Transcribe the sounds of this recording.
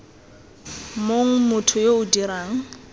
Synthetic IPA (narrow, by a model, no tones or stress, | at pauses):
moŋ̩mʊtʰʊjoʊdiɾaːŋ̩